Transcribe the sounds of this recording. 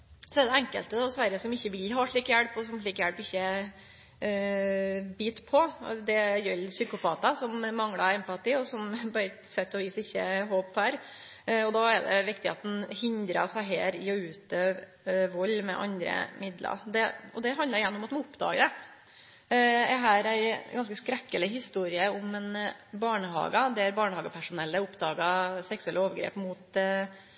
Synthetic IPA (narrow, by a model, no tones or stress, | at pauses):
sɔɛd̪ɛɛŋkə̰lt̪əd̪ɑsʋæɾəsɔmɪçːəʋɪlɦɑːʂɭiːkjæɽpɔsɔmʂɭiːkjæɽpɪçːə | biːt̪pʰɔd̪ɛjœlsʏkʊpʰɑːt̪ɑsɔmmɑŋɽɑɛmpɑt̪iːɔsɔmbɑɾət̪sɛt̪ːɑʋiːsɪçːəɦoːpfæːɾ | ɔd̪ɑɛɾd̪ɛ̰ʋɪkt̪ɪɑ̰t̪n̩hɪnd̪ɾɑsæɪɦeːɾɪɔʉːt̪øːʋ | ʋɔlːmɛ̰ʔɑ̰nd̪ɾə̰mɪd̪lɑ̰ɾd̪ɛɔd̪ɛɦɑnd̪əɾɪjænːəʊmɑt̪mɑnʊpd̪ɑ̰ːɡəd̪ɛ | ɛɦæːɾæɪɡɑnskəskɾɛkːələhɪst̪uːɾɪəʊmɛnbɑːɳəhɑ̰ːɡɑd̪ɛæɾbɑːɳəhɑːɡəpʰæʂʊnɛlːəʊpd̪ɑːɡɑsɛksʉɛlːəoːʋəɾɡɾḛːpmuːt̪